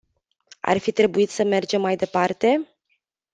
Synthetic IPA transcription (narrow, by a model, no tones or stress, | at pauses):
a̰rfit̪ɾe̞buit̪səme̞rd͡ʒe̞mːajd̪e̞part̪e̞